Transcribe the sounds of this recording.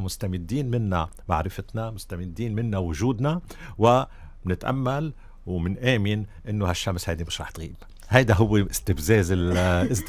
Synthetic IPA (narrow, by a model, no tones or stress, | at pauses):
mʊst̪amɪd̪ːiːnmɪnːamaʕɾɪfɪt̪namʊst̪amɪd̪ːiːnmɪnːawʊʒuːd̪nawɪ | bnɪt̪ʔa̰mːal | wmɪnʔeːmɪnʔɪnːohaʃːamshajd̪imɪʃɾˤɑːħt̪ɣiːb | hajd̪aɦʊwːeʔɪst̪ɪbzeːzɪlɪs